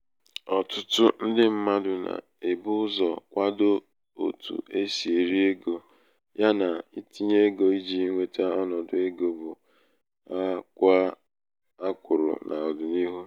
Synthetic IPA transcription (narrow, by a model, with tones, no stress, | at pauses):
ɔ˨tʊ˦tʊ˦n̩˦dɪ˦m̩˦ma˦dʊ˨na̰˨ | e˨bʊ˦ʊ˦zɔ˨kʷa˦do˦ | o̰˨tṵ˨ʔe˦si˨e˨ɾi˦e˦ɡo˨ | ja˦na˨i˦ti˦ɲe˦ɡo˨i˦d͡ʒi˦ŋʷe˦ta˦ɔ˦nɔ˨dʊ˦e˦ɡo˦bʊ˨ | a˦kʷa˦ | a˦kʷʊ˨ɾʊ̰˨na̰˨ɔ˨dʊ˨ni˦ɦu˦